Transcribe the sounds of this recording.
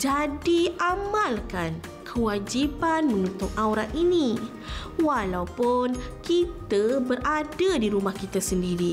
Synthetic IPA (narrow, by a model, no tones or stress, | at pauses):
d͡ʒadiamalkan | kʰəwad͡ʒipanmə̃nut̪ʊŋʔawɾaʔʔini | walawpʊnkit̪əbəɾʔadadiɾumahkit̪asəndiɾi